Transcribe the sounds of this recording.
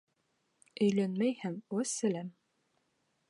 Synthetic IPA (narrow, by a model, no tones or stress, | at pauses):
ɵ̆jlænmæjhæŋussælæm